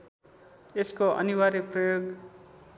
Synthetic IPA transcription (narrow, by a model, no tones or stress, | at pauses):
eskoʌ̰niwaɾiprʌjoɡ